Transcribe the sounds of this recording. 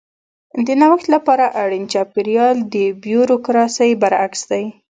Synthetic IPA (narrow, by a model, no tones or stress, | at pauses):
d̪ənawəxt̪lapɑɾaʔaɽint͡ʃɑpiɾijɑld̪əbjuɾokɾɑsəjbaɾaksd̪aj